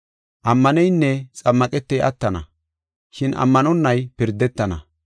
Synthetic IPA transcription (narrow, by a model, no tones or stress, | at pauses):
ʔɐmːɐnɛjnːɛt͡sʼɐmːɐkʼɛt̪ːɛjʔɐt̪ːɐnɐ̰ | ʃɪnʔɐ̰mːɐnɔnːɐjpɪɾd̪ːɛt̪ːɐnɐ̰